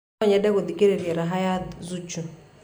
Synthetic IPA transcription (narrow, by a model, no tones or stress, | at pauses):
ɔɲadɛkud̪ikeɾeɾɛɾaɦajazut͡ʃu